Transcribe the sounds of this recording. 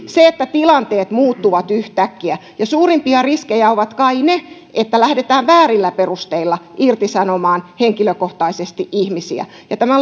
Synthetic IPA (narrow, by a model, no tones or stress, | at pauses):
seet̪ːæt̪ilɑnt̪eːt̪muːt̪ːuʋɑt̪yht̪ækːiæjɑsuːrimpiɑriskejæoʋɑt̪kɑine | et̪ːælæhdet̪æːʋʋæːrilːæperust̪eilːɑʔirt̪isɑnomɑːnheŋkiløkoht̪ɑisest̪iʔihmisḭæ̰ | jɑt̪æmæ